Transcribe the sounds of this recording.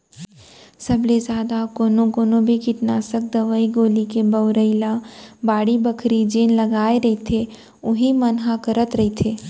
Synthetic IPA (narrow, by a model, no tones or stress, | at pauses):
sɐblezaːd̪akoːnõkoːnõbʱikɪʈnaːsək̚d̪ɐʋəiɡoːlikebɐʊɾəɪlãbaːɽibɐkʰɾid͡ʒeːnlɐɡaːeɾɐɦit̪ʰe | ʊɦĩmɐnɦãkɐɾət̪ɾɐɦit̪ʰeː